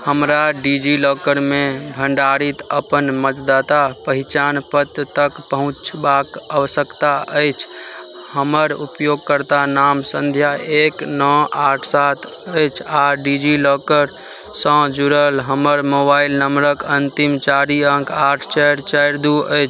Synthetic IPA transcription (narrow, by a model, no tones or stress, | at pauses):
həmɾaɖid͡ʒilɔkəɾmebʱəɳɖaɾit̪əpənmət̪d̪at̪apəɦit͡ʃanpət̪t̪əkpəɦũt͡ʃbakəʋəsəkt̪aəjt͡ʃʰ | həməɾupjoɡ̚kəɾt̪anamsə̃nd̪ʱjaeknɔaʈʰsat̪ʰəjt͡ʃʰaɖid͡ʒilɔkəɾ | sə̃d͡ʒuɾəlɦəməɾmobailnəmɾəkənt̪imt͡ʃaɾiəŋkaʈʰt͡ʃɛjɾt͡ʃəɾd̪uəjt͡ʃʰ